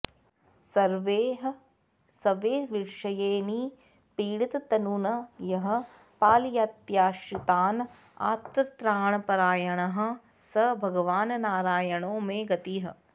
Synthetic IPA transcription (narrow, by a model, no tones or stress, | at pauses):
sɐɾʋeːɦ | sɐʋeːʋiʂɐjeːni | piːɽit̪t̪ɐnuːnɐjɐɦɐ̆ | paːljaːt̪jaːʃɾit̪aːn | a̰ːt̪ɾt̪ɾaːɳɐpɐɾaːjɐɳɐɦɐ̆ | sɐbʱɐɡɐʋaːnnaːɾaːjɐɳõːmẽɡɐt̪iːɦɐ̆